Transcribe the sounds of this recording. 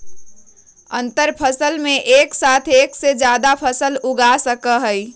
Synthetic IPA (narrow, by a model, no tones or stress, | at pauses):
ə̰nt̪əɾpʰəsəlmẽʔeːksaːt̪ʰeːksed͡ʒjaːd̪apʰəsəlʊɡasəkəɦəi